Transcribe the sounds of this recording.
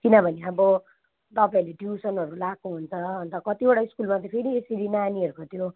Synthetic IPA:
kinʌbʱʌneʌbʌ | t̪ʌpaĩleɖiusʌnɦʌɾulakuɦunt͡sʰʌʌnt̪ʌkʌt̪ibaɽaiskulmat̪ʌpʰeɾieseɾinaniʌɾukot̪ʰjo

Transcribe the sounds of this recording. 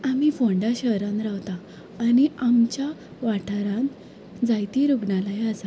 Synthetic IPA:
amifõɳɖaɕəɾãnɾawt̪aː | niamt͡ɕja | ʋaʈʰaɾãn | d͡zajt̪iɾuɡɳalajasa

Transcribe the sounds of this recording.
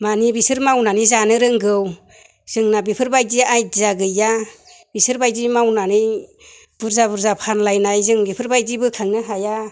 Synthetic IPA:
manibisɯɾmawnanizanɯɾɯŋɡɯw | z̥ɯŋnabipʰɯɾbajdiajzaɡɯja | bisɯɾbajdimawnanij | b̥uɾzabuɾzapʰanlajnajzɯŋbipʰɯɾbajdibɯkʰaŋnɯɦaja

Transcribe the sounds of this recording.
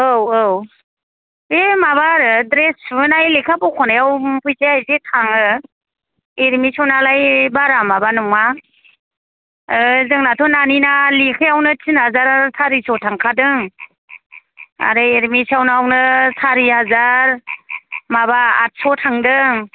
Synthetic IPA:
oww | emaβaɾɯdɾesnajlekʰapɔkʰɔnajawpʰɯjzeajzetʰaŋɯ | eɾmisɔnalajbaɾamabanɔŋa | zɯŋnatʰɔnaninalikʰɯjawnɯtʰinazaɾasʰaɾisɔtʰaŋkʰadɯŋ | a̰ɾɯeɾmisawnɯawnɯsaɾihazaɾ | mabaːt̚sɔtʰaŋdɯŋ

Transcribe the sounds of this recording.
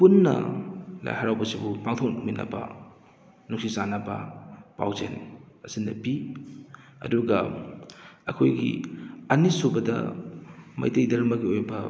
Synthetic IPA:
punːɐ̰la̰jhaɾawbɐsibupaŋtʰok̚nuŋminɐ̰bɐ̰ | nuŋsisanɐbɐ̰pa̰wzen | ɐsindɐpi | ɐ̰duɡɐ | ɐkʰojɡḭɐnisubɐdɐ̰ | mɐ̰jtejdɐɾɐmɐɡiojbɐ

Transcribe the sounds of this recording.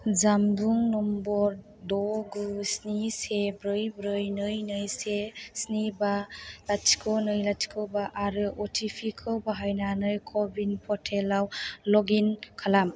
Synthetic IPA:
zamduŋnɔmbɔɾ | dɔɡusnisebɾɯjbɾɯjnɯjnɯjsesnibalatʰi̥kʰonɯjlatʰi̥kʰɯwbaʔaɾɯʔɔtʰipʰikʰɯwbaɦajnanɯjkʰɔbinpʰɔtʰelawlɔɡinkʰalam

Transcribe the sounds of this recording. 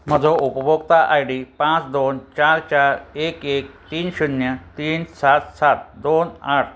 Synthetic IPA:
m̤əd͡zoupəbokt̪aʔajɖipãt͡sd̪ont͡ɕaɾt͡ɕaɾekek̚t̪iːnɕunjət̪iːnsat̪sat̪̚d̪onaʈ̚ʰ

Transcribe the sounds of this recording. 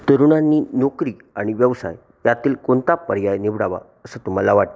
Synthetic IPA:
t̪əɾuɽanːinokɾi | aɽ̃iʋjəʋsa̰j | jat̪iːlkont̪apəɾjajniʋɽaʋa̰ | əsət̪um̤alaʋaʈ̪̚

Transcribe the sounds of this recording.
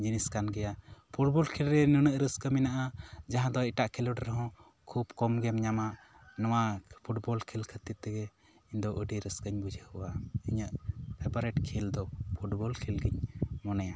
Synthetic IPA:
d͡ʒiniskanɡɛjapʰuʈ̚bɔlkʰilɾɛnunəʔɾəskəminaʔad͡ʒaɦãd̪ɔiʈaʔkʰɛlɔɖɛɾɔɦɔ̃ | kʰubkɔmɡɛmɲamaʔ | nɔwapʰuʈbɔlkʰɛlkʰət̪iɛɡɛ | iɲd̪ɔʔəɖiɾəskəɲbud͡ʒʱəhuwaiɲəʔpʰɛbɔɾɛʈkʰild̪ɔpʰuʈbɔlkʰilɡiɲmɔnaja

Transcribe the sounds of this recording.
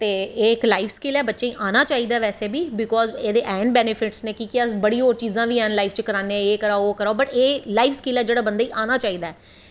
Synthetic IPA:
t̪eːeːɪklaːɪfʰskeːlɛːbətːʃeːĩːʔaːnaːt͡ʃaːiːd̪aːʋɛːseːbiːbɪkɔːzeːd̪eːʔɛ̃ːɳɖbɛːnɪpʰɪʈsnẽːkikɪəsbəɽiːɦoːɾt͡ʃiːzãːʋiːɛ̃ːnlaːɪfʰt͡ʃkəɾaːneɛ̃eːkəɾaːoːkəɾaːbəʈeːlaːɪifʰskeːlɛːd͡ʒeːɽaːbə̃nd̪aːiːʔaːnaːt͡ʃaːiːd̪aːɛː

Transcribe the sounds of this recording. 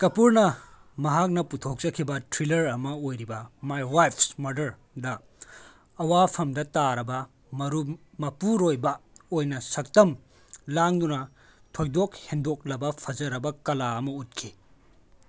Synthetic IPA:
kɐpuɾnɐ | mɐɦak̚nɐputʰok̚t͡ʃɐkʰibɐtɾilɐɾɐmɐojɾibɐmajwajpʰsmɐɾdɐɾ | dɐː | wapʰɐmdɐtaɾɐbɐ | mɐɾu | mɐpuɾojbɐojnɐsɐk̚tɐm | laŋdunɐ | tʰojdok̚hendok̚lɐbɐpʰɐd͡ʒɐɾɐbɐkɐlaɐmɐut̚kʰi

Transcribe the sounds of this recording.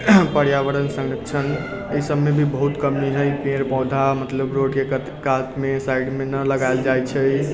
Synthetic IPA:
pəɽjaʋəɾənsə̃ŋɡɾəkt͡ʃʰən | əisəbmebʱibəɦut̪kəmiɦəjpẽɾpɔwd̪ʱamət̪ləbɾoɽke | kat̪mesajɖmenələɡajld͡ʒajt͡ʃʰəj

